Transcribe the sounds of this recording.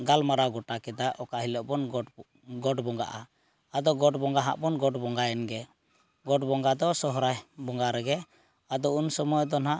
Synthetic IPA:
ɡalmaɾaɡɔʈakɛd̪aʔɔkaʔɦilɔʔbɔn | ɡɔʈbɔŋɡa̰ʔa | ad̪ɔɡɔʈbɔŋɡaɦa̰ʔbɔnɡɔʈbɔŋɡajɛnɡɛ | ɡɔʈbɔŋɡad̪ɔsɔɦɾajbɔŋɡaɾɛɡɛ | ad̪ɔunsɔmɔjɔd̪ɔnɦaʔ

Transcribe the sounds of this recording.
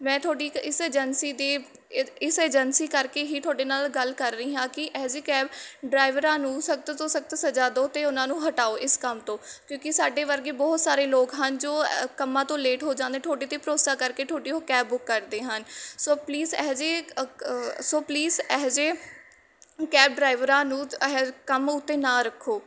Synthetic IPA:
mɛ̃ːt̪ʰʊaːɖiːɪseːd͡ʒənsiːd̪eː | ɪseːd͡ʒənsiːkəɾkeːɦiːt̪ʰʊaːɖeːnaːlɡəlkəɾːəiːɦãːkɪʔɛːd͡ʒeːkɛːbɖɾaːɪʋəɾãːnũːsək̚t̪t̪oːsək̚t̪səd͡ʒaːd̪oːt̪eːʊnãːnũːɦəʈaːoːʔɪskəmt̪õːkjõːkɪsaːɖeːʋəɾɡeːbɔːʊt̪saːɾeːloːkɦənd͡ʒoːkəmãːt̪õːleːʈɦoːd͡ʒãːnd̪eːʈ̪ʰoːɖeːt̪ẽːpɾoːsaːkəɾkeːʈ̪ʰoːʈiːɦoːkɛːbːʊkːəɾd̪eːɦənsoːpliːzɛːd͡ʒeː | soːpliːzɛɦd͡ʒeː | kɛːb̚ɖɾaːɪʋəɾãːnũːɛkəmʊt̪ːeːnãːɾəkʰːoː

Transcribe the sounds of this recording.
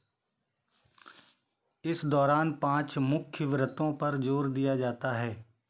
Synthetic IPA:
ɪsd̪ɔːɾaːnpãːt͡ʃmʊkʰjəʋɾət̪õpɐɾd͡ʒoːɾd̪ijad͡ʒaːt̪aɦɛː

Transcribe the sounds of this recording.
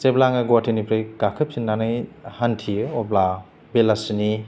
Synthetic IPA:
t͡ʃeblaŋɐɡwatʰinipʰɾeɡakʰɯp̚sinːanaihantʰiɔbla | belasini

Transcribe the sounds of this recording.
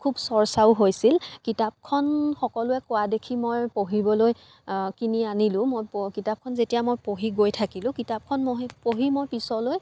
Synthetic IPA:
kʰubsɔɹsawɦojsilkitap̚kʰɔnxɔkɔlʊɛkʊwadekʰimojpoɦibɔloj | kinianilʊ̃mojpkitap̚kʰɔnzetijamojpoɦiɡojtʰakilʊ̃kitap̚kʰɔnmoɦpoɦimojpisɔloj

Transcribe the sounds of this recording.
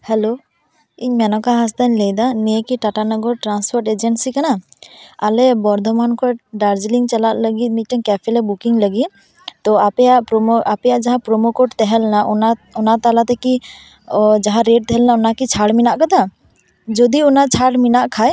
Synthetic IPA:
hɛlo | iɲmɛnɔkaɦas̬d̪aɲləjd̪anijekiʈaʈanɔɡɔɾʈɾanspʰɔɾʈed͡ʒensikanaalɛbɔɾd̪ʱɔmankɔɖaɾd͡ʒliŋt͡ʃalat̪̚ləɡit̪̚ˀmic̚ˀʈɛɲkɛpʰɛlɛbukiŋləɡit̪̚ | t̪ɔapɛjaʔpɾɔmʔapɛjaʔd͡ʒaɦãpɾɔmokɔʈt̪ɛɦɛlnaʔɔnaɔnat̪alat̪ɛki | d͡ʒaɦãɾeʈ̚t̪ɛɦɛlnaɔnakit͡ʃʰaɽminaʔkad̪a | d͡ʒɔd̪iɔnat͡ʃʰaɽminaʔkʰaj

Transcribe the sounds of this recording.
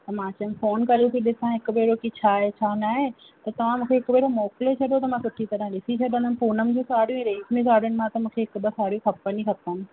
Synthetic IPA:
t̪ɐmãːt͡ɕʊn̆foːnkɐlijũkiɗɪsãɦɪkʊ̆beːɾokit͡ɕʰaːɦet͡ɕʰaːnaːɦe | t̪ɐt̪ɐʋ̤ãmũːkʰeɦɪkbeːɾomɔːklet͡ɕʰɐɗot̪ɐmãsʊʈʰit̪ɐɾə̃ɗɪsit͡ɕʰɐɗə̃nənpuːnəmɪ̃d͡ʑũːsaːɽijũɛ̃ːɾeːzmẽsaːɽəɽ̃ɪ̆mãt̪ɐmũːkʰeɦɪkbəsaːɽijũkʰɐpənĩkɐpənɪ̆

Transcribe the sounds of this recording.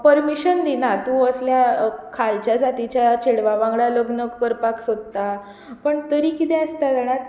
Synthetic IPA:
pəɾmiɕənd̪inat̪ũəsljakʰalt͡ɕjad͡zat̪it͡ɕjat͡ɕeɽʋaʋãŋɡɭaləɡnəkːəɾpaksod̪t̪a | pəɳt̪əɾikit̪ɛ̃əst̪ad͡zaɽ̃a

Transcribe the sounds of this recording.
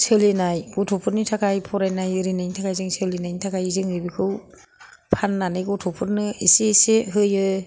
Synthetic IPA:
sʰɯlenajɡɔtʰɔpʰɯɾnitʰakʰajpʰɔɾajnajɯɾinajnitʰakʰajzɯŋsʰɯlenajnitʰakʰajizɯŋɯbikʰɯw | pʰanːanɯjɡɔtʰɔpʰɯɾnɯeseseɦɯjɯ

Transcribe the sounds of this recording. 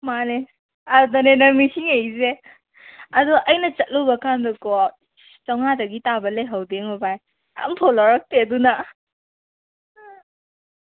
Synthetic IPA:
mane | adɔnenɐmisiŋejze | ɐduʔɐjnɐt͡ʃɐt̚lowbɐkandɔkɔ | t͡ʃawŋadɐɡitabɐleɦawdeŋɔbaj | a̰mtʰolɔɾɐk̚teduna

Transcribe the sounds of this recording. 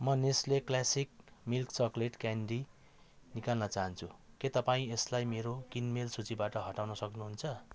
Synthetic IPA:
mʌnesleklasik̚milkt͡sʌkleʈkanɖi | nikalnʌt͡saɦʌnt͡sʰu | ket̪ʌpaĩeslajmeɾokinmelsut͡sibaʈʌɦʌʈawnʌsʌknuɦunt͡sʰʌ

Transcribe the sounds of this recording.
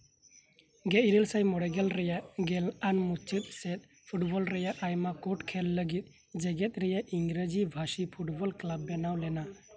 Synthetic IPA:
ɡɛʔɾilsajmɔɽɛɡɛlɾɛjaʔɡɛlanmut͡ʃit̪̚sɛt̪̚ | pʰuʈbɔlɾɛjaʔʔajmakoʈkʰɛlːəɡit̪̚ˀ | d͡ʒɛɡɛt̪̚ɾɛjaʔiŋɡɾəd͡ʒibʱasipʰuʈbɔlklabːɛnawlɛna

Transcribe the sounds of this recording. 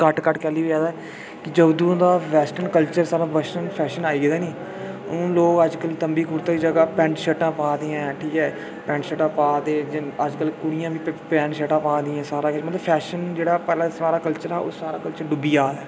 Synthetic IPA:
kəʈkəʈkɛːliːɦoːd͡ʒaːd̪aː | kɪd͡ʒəbd̪ũːd̪aːʋɛːsʈənkəlt͡ʃəɾsaːɾaːʋəsʈənpʰɛːʃənaːiːɡd̪aːnĩː | loːkəd͡ʒkəlt̪əmbiːkʊɾt̪aːiːd͡ʒəɡaːpɛ̃ːɳʈʃəʈãːpaːd̪ɪjãːʈʰiːkɛː | pɛ̃ːɳʈʃəʈãːpaːd̪ẽːd͡ʒɪəd͡ʒkəlkʊɽɪjãːbiːpɛ̃ːʈʃəʈãːpãːd̪ɪjãːsaːɾaːkɪt͡ʃmət̪ləbpʰɛːʃənd͡ʒeːɽaːpɛːlãːsaːɾaːkəlt͡ʃəɾɦɛːo̰ːsaːɾaːkəlt͡ʃəɾɖʊbiːaːd̪aː

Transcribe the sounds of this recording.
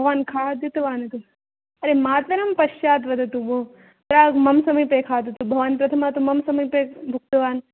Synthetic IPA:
bʱɐʋaːnkʰaːd̪it̪ɐʋaːnɐt̪u | ɐɾemaːt̪ʋɐnɐmpɐʃjaːt̪ʋɐd̪ʱɐt̪ubo | pɾaːɡmɐmsɐmijpeːkʰaːd̪ut̪ubʱɐʋaːnpɾɐt̪ʰɐmaːt̪umɐmsɐmɐpebʱuk̚t̪ɐʋaːn

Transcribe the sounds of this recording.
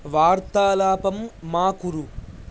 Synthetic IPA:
ʋaːɾt̪aːlaːpɐmːaːkuɾu

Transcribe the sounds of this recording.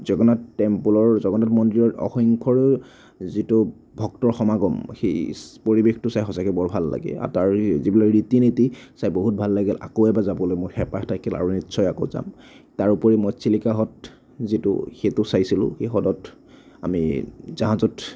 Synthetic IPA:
zɔɡɔnatːɛmpulɔɹzɔɡɔnatmɔndiɹɔɹɔ̰xɔŋkʰɔɹ | zitʊ | bʱɔktɔɹxɔmaɡɔmxejpoɹibextʊsajxɔsakubɔɹbʱalːa̰ɡɛ̰a̰taɹzibilaɹitinitisajboɦut̚bʱalːaɡɛlʔa̰koɛbazabɔlojmojxɛpaxtʰakʰila̰ɹunitːsɔjakoʊza̰m | taɹupɔɹimɔjsilikaɦɔt | zitʊ̰xetʊsajsilʊ̰̃xejxɔdɔt | a̰mizaɦãzɔt

